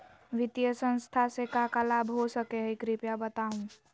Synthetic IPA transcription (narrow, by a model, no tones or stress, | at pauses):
ʋɪt̪jəsə̃nst̪ʰasekakəlaːbɦosəkeɦikɾɪpjabət̪aːɦũː